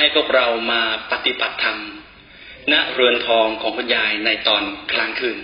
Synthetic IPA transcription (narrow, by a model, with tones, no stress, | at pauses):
ha˥˩jpʰu˥˩ək̚ɾa˧wmaː˧pa˨˧t̪i˨˩ba˨˩t̪ʰːa˧m | na˦˥ʔɾɯ˧ənp̪ʰɔː˧ŋkʰɔː˩˦ŋkʰu˧njaː˧jna˧jt̪ɔː˧nkʰɾaː˦˥ŋkʰɯː˧˩n